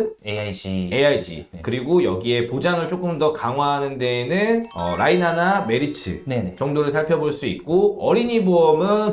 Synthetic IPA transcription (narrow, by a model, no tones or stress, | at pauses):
n | eaid͡ʑḭkɯɾiɡojʌɡie̞pod͡ʑaŋɯɭt͡ɕ͈ok͈ɯmdʌkaŋɦwaɦanɯnde̞nɯnʌ̰ɾainaname̞ɾit͡ɕʰḭɭneet͡ɕʌŋdoɾɯɭsʰaɭpʰjʌboɭs͈uit̚k͈oʌɾiɲiboʌmɯn